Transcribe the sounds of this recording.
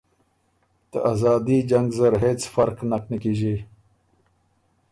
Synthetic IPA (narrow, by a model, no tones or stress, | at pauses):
t̪əʔazɑːd̪id͡ʒaŋɡzɐɾɦeːt͡sfɐɾknaknəkiːʒi